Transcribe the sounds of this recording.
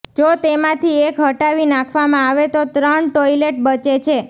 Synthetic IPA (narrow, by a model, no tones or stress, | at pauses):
d͡ʒot̪emãt̪ʰiekɦəʈaʋinãkʰʋamãaʋet̪ot̪ɾəɳʈojleʈ̚bət͡ʃet͡ʃʰe